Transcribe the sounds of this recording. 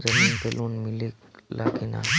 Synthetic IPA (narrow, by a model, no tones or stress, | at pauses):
zɐmiːnpʰeluːnmɪlikla̰ːɡina̰